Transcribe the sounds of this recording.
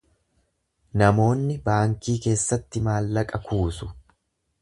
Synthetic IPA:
nɐmo̞ːnːɪbaːŋkiːke̞ːsːɐt̪ːɪmaːlːɐkʼɐkuːsʊ̥

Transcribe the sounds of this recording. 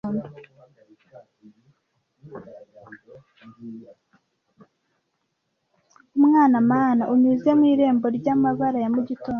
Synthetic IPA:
ndo | umŋaːnamaːnaʔuɲuze̞mŋwiːɾe̞ːmbo̞ɾɟaːmaβaɾajamuɟitoː

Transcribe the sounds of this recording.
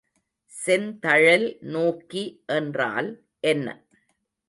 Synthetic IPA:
sɛnt̪ɐɻɐlnoːkːiʔɛndra̰ːl | ʔɛnːɐ̰

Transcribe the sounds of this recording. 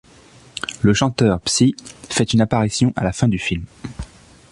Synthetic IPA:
ləʃɑ̃t̪œʁpsifɛt̪ynapaʁisjɔ̃ʔalafɛ̃d̪yfilm

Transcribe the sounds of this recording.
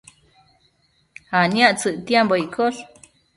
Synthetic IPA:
hanjaʔt͡sɨʔt̪jemboikʰoɬ

